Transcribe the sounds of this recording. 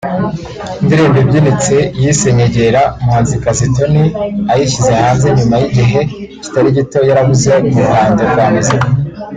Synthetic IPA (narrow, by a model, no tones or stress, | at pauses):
ndiɾeːmbebɟinit͡se̞jise̞ɲeɟe̞ɾamhaːnzikazito̞niajiʃizehaːnzeɲumajiɟiɦe̞ci̥taɾiɟito̞jaɾaβuze̞umuhaːnzoɡaːmize